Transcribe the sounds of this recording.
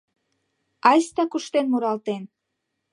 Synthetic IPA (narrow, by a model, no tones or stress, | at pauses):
ɑjst̪ɑkuʃt̪enmuɾɑlt̪en